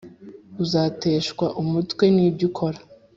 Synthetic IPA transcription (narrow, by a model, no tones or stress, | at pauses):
uzaːte̞ːʃkwaʔumutwe̞niːbjikʰo̞ɾa